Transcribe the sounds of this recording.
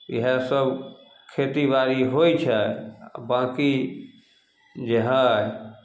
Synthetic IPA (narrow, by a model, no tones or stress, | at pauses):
iɦə̃səb | kʰet̪ibaɾiɦojt͡ʃʰɛ̰bãki | d͡ʒeɦã